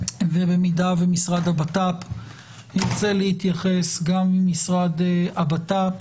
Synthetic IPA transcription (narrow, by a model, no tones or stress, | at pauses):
vebemidavemisʁad̪abatap | hiʁt͡selehit̪jaχe̞sɡamːimisʁad̪abat̪ap